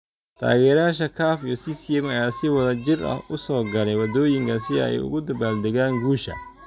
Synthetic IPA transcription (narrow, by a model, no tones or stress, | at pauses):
t̪ʰa̰ːɣɛːɾjaːʃɐkʰaːfijɔsisɪɛmɐjaːsɪwɐðɐt͡ʃɪrɐ̰hʔʊsɔːɡɐlɛjwɐd̪ɔːjɪŋkʰɐsɪɛ̰jʊ̰ɣʊd̪ɐbaːld̪ɛɣaːŋɡuːʃɐ̰